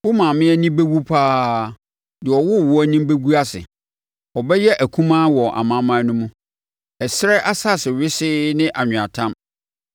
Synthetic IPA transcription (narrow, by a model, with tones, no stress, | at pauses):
wʊ˦mã˨mɪ̃˦æ˦nĩ˦be˦bu˦pʰaː˦ | dɪ˨ɔ˨wʊ˦˨wʊ˦æ˦nĩ˦m˦be˦ɡu˦a˦sɪ̰˨ | ɔ˨bɛ˦jɛ˦ʔæ˨kʰũ˦mã˦wɔ˨ʔa̰˨mã˦mã˦nʊ̃˦mũ˦ | ɛ˨sɾɛ˦ʔa˦sa˦˨sɪ˨ɥɪ˦sɪ˦nɪ̃˦ʔa˨ɲᶣɪ̃˨a̰˨tʰã˦m